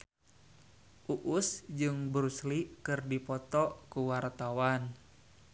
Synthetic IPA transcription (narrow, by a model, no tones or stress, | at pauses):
ʔuʔʊsd͡ʒɨŋbɾuslikɨrdipɔt̪ɔkuwart̪awan